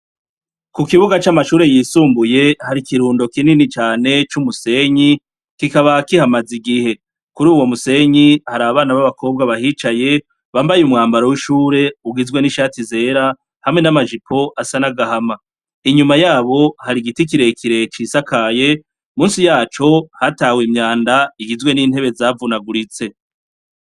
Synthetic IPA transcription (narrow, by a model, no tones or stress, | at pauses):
kukiβuɡat͡ʃamaʃuːɾe̞jiːsuːmbuje̞haɾikiɾuːndo̞kininit͡ʃaːne̞t͡ʃumuse̞ɲi | kikaβakihamaziɡihe̞ | kuɾuːwo̞muse̞ɲihaɾaːβaβaːnaβaβakʰo̞ːb̚ɡaβahiːt͡ʃaje̞ | βaːmbajumŋaːmbaɾowiʃuːɾe̞uɡizɡwe̞niʃaːtize̞ːɾa | hamŋe̞namaʒikʰo̞ʔasanaɡahama | iɲumajaːβo̞haɾiɡitik̬iɾe̞kʰiɾe̞t͡ʃiːsakaje̞ | muːnsijaːt͡ʃo̞hataːwimɲaːndaiɡizwe̞niːn̥he̞βe̞zaːvunaɡuɾit͡se̞